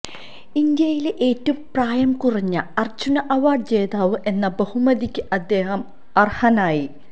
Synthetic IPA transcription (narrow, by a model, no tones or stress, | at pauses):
ind̪jɐjileʔeːtːɐumpraːjɐmkuriɲːɐɐrd͡ʑunɐʔɐʋaːɖ̚t͡ɕeːðaːʋɨʔe̞nːɐbɐhumɐðikʲːɨʔɐd̪ːe̞ːhɐm | ɐrhɐnaːji